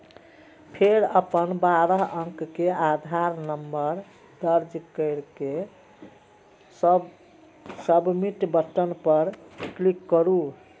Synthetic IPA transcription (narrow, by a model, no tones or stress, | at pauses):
pʰeɾəpənbaɾəɦə̃ŋkkead̪ʱaɾnəmbəɾ | d̪əɾd͡ʒkəɪɾke | səbmiʈbət̪ənpəɾklikːəɾu